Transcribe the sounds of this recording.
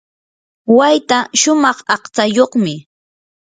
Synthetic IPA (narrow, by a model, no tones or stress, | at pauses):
wajt̪aʃʊmɑχɑqt͡sajoχmɪ